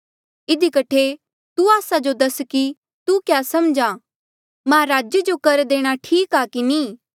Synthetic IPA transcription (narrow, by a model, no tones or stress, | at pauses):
ɪd̪ikɐʈʰe | t̪uaːsad͡ʒod̪ɐski | t̪ukjaːsɐmd͡ʒã | mãɾaːd͡ʒjəd͡ʒokɐɾd̪eːɽ̃aʈʰiːkaːkinĩː